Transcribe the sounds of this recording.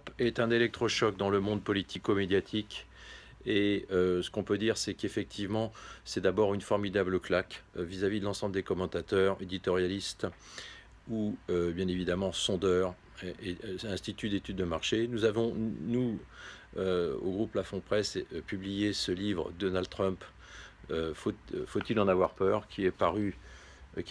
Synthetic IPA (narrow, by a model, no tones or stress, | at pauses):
pɛt̪ɛ̃nelɛk̚t̪χɔʃɔk̚d̪ɑ̃ləmɔ̃d̪pɔlit̪ikomed̪jat̪ʰik | eøsə̥kɔ̃pød̪iʁsɛkefɛk̚t̪ʰivmɑ̃sɛd̪abɔʁynfɔʁmid̪abləklakvizavid̪əlɑ̃sɑ̃bləd̪ekɔmɑ̃t̪at̪œʁed̪it̪ɔʁjalist̪ | uøbjɛ̃nevid̪amɑ̃sɔ̃d̪œʁ | ɛ̃st̪it̪yd̪et̪yd̪ːəmaʁʃenuzavɔ̃nu | øo̰ɡʁupːlafɔ̃pχɛspyblijesəlivʁə̰d̪ɔnald̪t̪χœ̃p | øfofot̪ilɑ̃navwaʁpœʁkʲʰiɛpaʁy